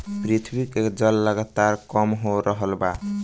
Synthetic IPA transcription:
pɾit̪ʰbiked͡ʒʌlːəɡat̪aɾkɔmɦoɾəɦəlba

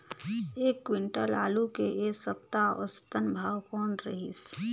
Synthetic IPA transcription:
eːkːwɪ̃ɳʈəla̰ːlukeʔeːsəpt̪aɔ̰st̪ənbʱaːwkoːnɾəɦḭs

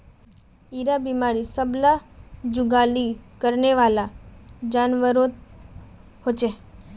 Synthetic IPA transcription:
iɾabimaːɾisəblad͡ʒʊɡalikəɾneʋaːlad͡ʒaːnʋəɾot̪̚ | hot͡ʃe

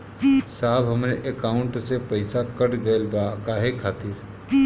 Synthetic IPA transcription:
saːbɦəmɾeʔekaʊɳʈsepəɪsakəɽɡəɪlbakaːɦekʰaːt̪iɾ

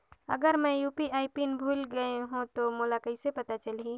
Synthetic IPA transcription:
ɐ̰ɡəɾmɛ̃juːpiaːɪpinbʱuːlɡəeɦũt̪omoːlakɐɪsepɐt̪at͡ʃəlɦi

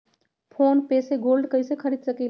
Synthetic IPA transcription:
pʰonpeseɡolɖkəjsekʰəɾid̪̚səkil

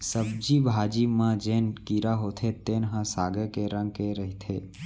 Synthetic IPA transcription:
səbd͡ʒibʱaːd͡ʒimãd͡ʒeːnkiɾaɦoːt̪ʰet̪eːnɦãsaːɡekeɾə̃ŋɡ̚keɾəɦit̪ʰeː

